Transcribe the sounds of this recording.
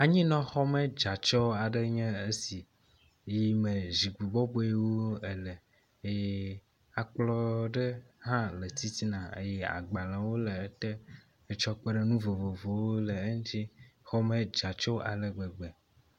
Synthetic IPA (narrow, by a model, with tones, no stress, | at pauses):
a˨ɲĩ˦nɔ̃˦xɔ˦mẽ˦d͡ʒa˨t͡ʃɔ˦a˨ɖə˦ɲɛ̃˦e˦si˨ | ji˦mẽ˨zi˨ɡu˨bɔ˦bo˦e˦wo˦e˨lɛ˨ | e˦ | a˨k͡plɔ˦ɖe˦hã˦lə˨t̪i˦t̪i˦nã˨ḛ˦jɛ˦a̰˨ɡ͡ba˨lã˨wo˦le˨˦t̪e˦ | e˦t͡ʃɔ˦k͡pe˦ɖe˦nũ˦vo˨vo˨vo˨wo˦le˨e˦ŋ˦t͡ʃi˦xɔ˦mẽ˦d͡ʒa˨t͡ʃɔ˦ʔa˨le˨ɡ͡be˨ɡ͡bɛ˨